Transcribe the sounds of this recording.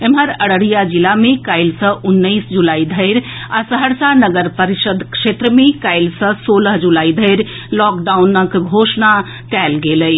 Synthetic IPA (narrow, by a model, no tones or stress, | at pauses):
emɦəɾəɽəɽijad͡ʒilamekaɪlsə̃ʔunːəɪsd͡ʒulaid̪ʱəɪɾasəɦəɾsanəɡəɾpəɾisəd̪ʱkʃet̪ɾəmekaɪlsə̃soləɦd͡ʒulaid̪ʱəɪɾ | lɔkɖaunəkɡʱosna | kɛlɡeləj